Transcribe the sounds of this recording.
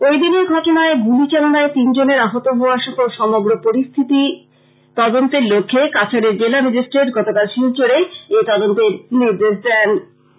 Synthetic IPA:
ojd̪ineɾɡʱɔʈonaeɡulit͡ɕalonaet̪ind͡ʑoneɾaɦot̪oɦooaʃɔɦoʃɔmoɡɾopoɾist̪ʰit̪i | t̪ɔd̪ont̪eɾlokʰːekat͡ɕʰaɾeɾd͡ʑelamid͡ʑisʈɾeʈɡɔt̪okalʃilt͡ɕoɾeet̪ɔd̪ont̪eɾniɾd̪eʃd̪ɛn

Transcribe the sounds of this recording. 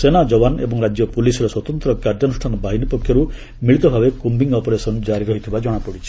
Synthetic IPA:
senad͡ʒɔbanḛbɔŋɾad͡ʒjɔpulisɔɾeswɔt̪ɔnt̪ɾɔkaɾd͡ʒɔnusʈʰanɔbaɦinipɔkʰːjɔɾu | miɭit̪ɔbʱabekumbiŋɔpɔɾesɔnd͡ʒaɾiɾɔɦit̪ʰibad͡ʒɔɽ̃apɔɽit͡ʃʰi̥

